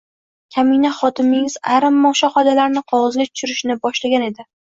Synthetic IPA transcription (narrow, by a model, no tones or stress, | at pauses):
kʲʰaminaχɒt̪ʰɪmɪŋɪzaɾamːɒʃaχɒd̪alaɾnɪqʰɒwɒzɡʲat̪ʰʊ̥ʃʊɾɪʃnɪbɒʃlaɡʲane̞d̪ɪ